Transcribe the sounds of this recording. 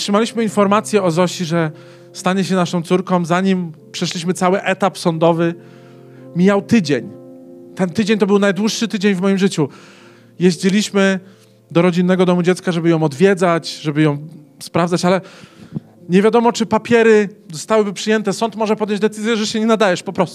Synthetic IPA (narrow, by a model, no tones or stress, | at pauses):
tʂɘmalʲiɕmɘinfɔɾmat̪sʲjɛɔzɔɕiʐɛ | st̪aɲɛɕ̬ɛnaʂɔ̃w̃t̪suɾkɔ̃mzaɲimpʂɛʂlʲiɕmɘt̪sawɘʔɛt̪apsɔnd̪ɔvɘ | mʲjawt̪ɘd͡ʑeɲt̪ɛnt̪ɘd͡ʑeɲʲt̪ɔbɘwnajd̪wuʂʂɘt̪ɘd͡ʑeɲvmɔjimʐɘt͡ɕu | jeʑd͡ʑilʲiɕmɘ | d̪ɔɾɔd͡ʑinːɛɡɔd̪ɔmud͡ʑɛt̪skaʐɛbɘjɔ̃w̃ɔd̪vʲjɛd̪zat͡ɕʐɛbɘjɔ̃w̃spɾavzat͡ɕalɛ | ɲevʲjad̪ɔmɔt͡ʂɘpapʲjɛɾɘzɔst̪awɘbɘpʂɘjɛnt̪ɛsɔnt̪mɔʐɛpɔd̪jɔ̃ɲd͡ʑʲd̪ɛt̪sɘzʲjɛʐɛɕɛɲɛnad̪ajɛʂpɔpɾɔst̪u